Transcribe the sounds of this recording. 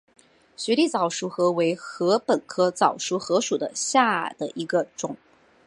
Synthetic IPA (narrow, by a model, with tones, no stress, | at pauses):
ɕɥɛ˧˥li˥˩t͡sɑ˨˩ʊʂu˧˥xɤ˧˥we˧˥ɪxɤ˧˥pə˨˩nkʰɤ˥t͡sɑ˨˩ʊʂu˧˥xɤ˧˥ʂu˨˩d̪ə˦ɕja˥˩d̪ə˩ʔi˧˥ɡə˧ʈ͡ʂʊ˨˩˦ŋ